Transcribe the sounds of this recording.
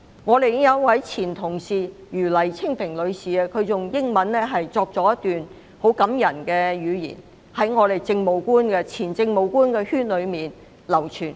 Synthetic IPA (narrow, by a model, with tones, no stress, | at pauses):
ŋɔː˨˧t̪e˨jɪ˥ŋjɐ˨˧w̚wɐ˨˥jt͡sʰiː˨˩nt̪ʰʊ˨˩ŋsiː˨jyː˨˩lɐ˨˩jt͡sʰɪ˥ŋpʰɪ˨˩ŋlɵ˨˧ɥsiː˨ɐ˧kʰɵ˨˧t͡sʊ˨ŋjɪ˥ŋmɐ˨˥nlɛː˥ɦɐ˨jt͡sɔː˧k̚t͡sɔː˨˧˥jɐ˥t̪yː˨n | ho˨˥wkɐ˨˥mjɐ˨˩nkɛ˧jyː˨˧jḭ˨˩n | hɐ˨˥jŋɔː˨˧t̪e˨jt͡sɪ˧ŋmo˨˧wkuː˥nkɛ˧t͡sʰiː˨˩nt͡sɪ˧ŋmo˨˧wkuː˥nkɛː˧hyː˥nlɵ˨˧ɥmiː˨˩n | lɐ˨˩wt͡ʃʰyː˨˩n